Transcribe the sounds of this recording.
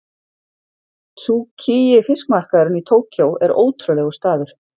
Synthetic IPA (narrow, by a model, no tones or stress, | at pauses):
tucʰijɪfɪskmar̥kaðɾʏnit̪ʰoːwcʰowɛɾo̰ːwt̪ʰɾʏlɛɣʏst̪aːðʏɾ̥